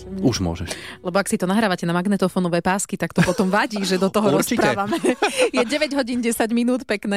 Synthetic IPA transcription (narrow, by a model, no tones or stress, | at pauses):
uʒmʊɔ̰ʒɛʃlɛbɔaksit̪ɔnaɦɾaːʋacɛnamaɡnɛt̪ɔfɔnɔʋɛːpaːskit̪akt̪ɔpɔt̪ɔmʋaɟiːʒɛd̪ɔt̪ɔɦɔɾɔsipɾaaːʋamɛjɛɟɛʋɛɟɦɔɟiːnɟɛsaɟminuːt̪pɛknɛː